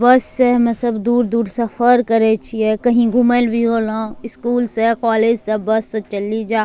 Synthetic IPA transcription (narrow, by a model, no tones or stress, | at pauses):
bəsːemɛ̃səbd̪uːɾd̪uːɾsəpʰəɾkəɾet͡ʃʰiekəɦĩɡʱumelbʱiɦolãɪskuːlsekaːled͡ʒsebɐsːet͡ʃəlid͡ʒaː